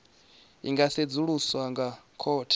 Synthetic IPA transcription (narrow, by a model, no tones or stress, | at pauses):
ḭŋɡased͡zuɺuswaŋɡakʰɔːtʰi̥